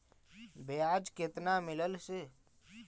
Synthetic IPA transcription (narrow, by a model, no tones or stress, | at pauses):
bʱejad͡ʒket̪namɪləlse